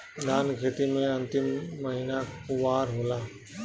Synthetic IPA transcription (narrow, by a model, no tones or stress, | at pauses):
d̪aːnɡʱət̪imeẽənt̪imːəɦinakuʋaɾɦola